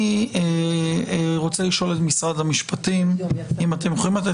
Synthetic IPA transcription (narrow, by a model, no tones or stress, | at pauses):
e | ʁo̞t͡seliʃo̞le̞tmisʁadamiʃpatimimatemjoχoimat̪e